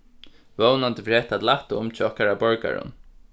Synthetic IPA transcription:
vownant̪əfɾɛːt̪at̪laht̪ʊmt͡ʃʰɪɔhkaɾabɔɹka̰ɹʊ̰n

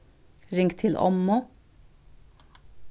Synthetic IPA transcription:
ɾɪŋkt̪ʰɪlʔɔ̰mːʊ

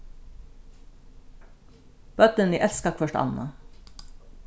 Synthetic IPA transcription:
b̥œt̪ənḭːʔɛlskɑkfɔʃʈɑ̰nnɑ̰

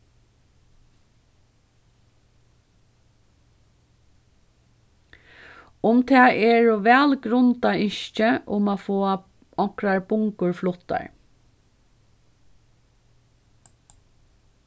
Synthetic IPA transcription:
ʊmt̪ʰɛːʔɛɹuʋɛːlɡɾʊnt̪aɪʃcəʔʊmaːfoːa | ɔŋkɾaɹbʊŋkʊɹflʊt̪ːa̰ɹ

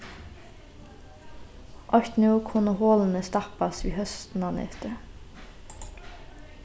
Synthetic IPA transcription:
ʔɔçt̪nuːkʰʊnəhoːln̩əst̪ɑpɑsʋḭːhœst̪n̩ɑːnɛ̰t̪ə

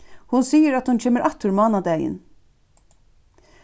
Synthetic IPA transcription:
hʊnsiːəɾat̪hunt͡ʃʰeːməɾʔat̪ːʊɾmɑːnad̪ɛːjɪ̰n

